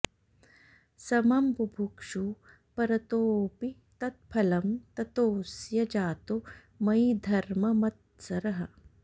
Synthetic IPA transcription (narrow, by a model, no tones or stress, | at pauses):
sɐmɐmbubʱukʂu | pɐɾɐt̪oːpi | t̪ɐt̪̚pʰɐlɐmt̪ɐt̪oːsjɐd͡ʒaːt̪o | mɐjd̪ʱɐɾmɐmɐt̪̚ | sɐɾɐɦɐ